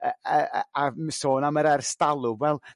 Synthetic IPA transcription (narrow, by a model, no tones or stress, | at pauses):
əəamsoːnaməɾɛrstalˠʊwɛlˠ